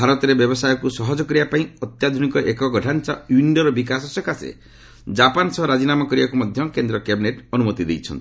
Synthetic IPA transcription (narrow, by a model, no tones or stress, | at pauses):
bʱaɾɔt̪ɔɾebjɔbɔsajɔkusɔɦɔd͡ʒɔkɔɾibapaĩɔt̪jad̪ʱunikɔʔekɔɡɔʈʰant͡ʃauiɳɖɔɾɔbik̬asɔsɔkʰasḛ | d͡ʒapansɔɦɔɾad͡ʒinamakɔɾibakumɔd̪ʱjɔkend̪ɾɔkebineʈɔnumɔt̪id̪ejt͡ʃʰɔnt̪i